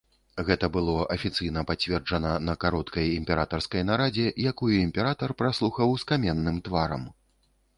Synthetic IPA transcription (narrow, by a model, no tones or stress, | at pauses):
ɣɛt̪ɐbɨlˠɔʔɐfʲit̪sɨjn̪ɐpat͡sʲvʲɛrd͡ʐɐnɐnɐkaɾɔt̪kɐjimʲpʲɛɾat̪ɐrskɐjnaɾad͡zʲɛjakujuimpʲɛɾat̪ɐrpɾaslˠuxɐwskamʲɛnːɨmt̪vaɾɐ̰m